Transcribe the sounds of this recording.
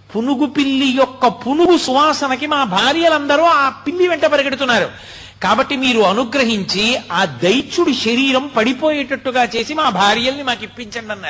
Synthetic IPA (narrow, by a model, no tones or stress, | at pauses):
punuɡupiɭːijɔkːɐpunuɡusuʋaːsɐnɐk̬imaːbʱaːɾjɐlɐnd̪ɐɾuːaːpiɭːiʋɛɳʈɐpɐɾiɡɐɽut̪unːaːɾu | kaːbɐʈːimiːɾuɐnuɡɾɐɦiɲt͡ʃiaːd̪ɐjt͡ʃuɽuʃɐɾiːɾɐmpɐɽipo̞ːjɛʈɐʈːuɡaːt͡ʃe̞ːsimaːbʱaːɾjɐlnimaːkipːiɲt͡ʃɐɳɖɐnːaːɾu